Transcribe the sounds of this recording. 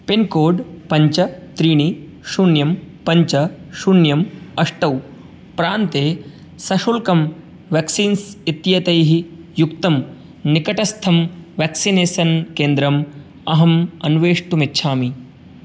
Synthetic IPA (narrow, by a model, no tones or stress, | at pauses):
pinkoːɖpɐɲt͡ʃɐt̪ɾiːɳ̃i | ʃuɳjɐmpɐɲt͡ʃɐʃunjɐmɐʂʈɐw | pɾaːnt̪eː | sɐʃoːlkɐm | ʋɛːksiːnsit̪jɐt̪ɐjɦijukt̪ɐm | nikɐʈɐst̪ʰɐmʋæːksineːsɐnkeːnd̪ɾɐm | ɐɦɐmɐnʋeːʂʈumitːʃʰaːmi